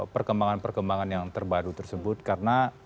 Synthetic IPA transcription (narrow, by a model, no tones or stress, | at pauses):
pərkəmbaŋanpərkəmbaŋanjaŋt̪ərbaɾut̪ərsəbʊt̪̚kaɾəna